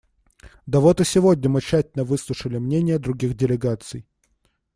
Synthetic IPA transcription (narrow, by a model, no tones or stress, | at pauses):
d̪ɐvot̪ɨsʲɪvodʲnʲəmɨt͡ɕːætʲɪlnəvɨslˠʊʂəlʲɪmnʲenʲɪjəd̪ɾʊɡʲixdʲɪlʲɪɡat̪sɨj